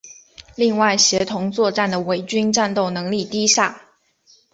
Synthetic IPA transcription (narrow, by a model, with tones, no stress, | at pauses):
li˥˧ŋwa˥˩ɪɕjɛ˧˥t̪ʰʊ˧˥ŋt͡swɔ˥˧ʈ͡ʂa˥˩nd̪ə˩we˧˥ɪt͡ɕy˥nʈ͡ʂa˥˧nt̪o˥˩ʊnɤ˧˥ŋli˥˩t̪i˥ɕa˥˩